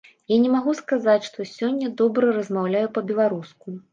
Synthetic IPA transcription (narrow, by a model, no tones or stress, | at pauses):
janʲɛmaɣuskazat͡sʲʂt̪ɔsʲɔnʲːɐd̪ɔbɾɐrɐzmawlʲajupɐbʲɛlˠaɾusku